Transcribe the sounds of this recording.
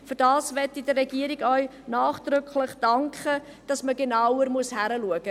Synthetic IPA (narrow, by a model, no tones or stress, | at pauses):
fyɾd̥ɑːsvɛtːidərɛɡiəɾɪɡœʏ | naːχd̥ɾʏkʰləχd̥ɑŋkχə | d̥ɑsməɡenawəɾmuəshæɾəluəɡ̥ə